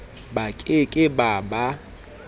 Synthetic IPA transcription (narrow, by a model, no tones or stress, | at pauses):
bakʼekʼɪbaba